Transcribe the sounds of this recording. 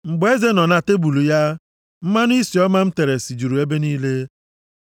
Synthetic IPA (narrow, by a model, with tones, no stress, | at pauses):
ŋ͡m̩˨ɡ͡be˦ze˦nɔ˨na˨te˦bu˨lu˨ja˦ | m̩˦ma˦nʊ˦i˦si˨ɔ˦ma˦m̩˦te˨ɾe˨si˨d͡ʒu˨ɾu˨e˦be˦niː˦le˦